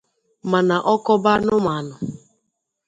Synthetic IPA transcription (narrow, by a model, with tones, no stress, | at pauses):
ma˨na˨ʔɔ˦kɔ˦ba˦nʊ˦ma˨nʊ˨